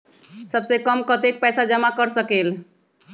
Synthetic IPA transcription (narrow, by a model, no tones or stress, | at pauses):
səbsekəmkət̪ek̚pɛsad͡ʒəmakəɾsəkel